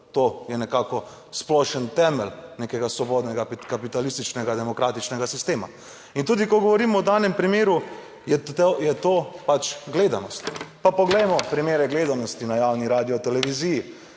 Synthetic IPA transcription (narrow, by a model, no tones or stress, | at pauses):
t̪oːjɛnɛkaːkɔ | splɔʃənt̪ɛməlnekɛɡasʋɔboːd̪nɛɡakapit̪alist̪it͡ʃnɛɡad̪ɛmɔkɾaːt̪it͡ʃnɛɡasist̪eːma̰ | int̪uːd̪ikɔɡɔʋɔɾiːmɔɔd̪aːnɛmpɾimeːɾu | jɛjɛt̪oːpat͡ʃɡleːd̪anɔst̪papɔɡlɛjmɔpɾimeːɾɛɡleːd̪anɔst̪inajawniɾaːd̪iɔt̪ɛlɛʋiziːji